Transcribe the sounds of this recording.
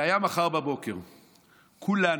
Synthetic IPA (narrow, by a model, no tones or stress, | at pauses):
ajamaχaʁbabo̞keʁ | kʰula